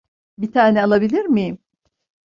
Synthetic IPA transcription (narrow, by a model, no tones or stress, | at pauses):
bit̪ʰaːnɛalˠabilʲiɾmi